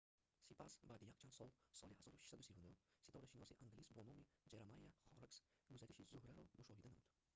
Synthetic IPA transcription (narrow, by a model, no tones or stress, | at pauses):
sipasbad̪ijaq̚t͡ʃʰansɔlˠsɒlˠiasɒɾfʃi̥sad̪ʊsivʊnʊsit̪ʰɒwd̪aʃinɔsiʔaŋɡlʲisbonomid͡ʒeɾamajaχɒɾɪks | ɡʰʊzat̪ʰɪʃizʊhɾaɾɔmʊʃɒhid̪anmʊd̪